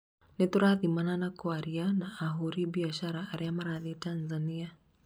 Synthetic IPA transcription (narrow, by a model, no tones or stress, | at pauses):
nɛtuɾaðimananakuaɾianaːɦuɾibiaʃaɾaːɾɛamaɾaðitanzania